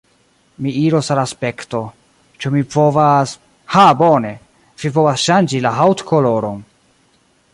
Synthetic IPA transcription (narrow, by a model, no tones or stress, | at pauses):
miiɾosalaspe̞kto̞ | t͡ʃumipo̞vas | habone̞ | v̥ipovasʃand͡ʒilaɦawtkʰoloɾon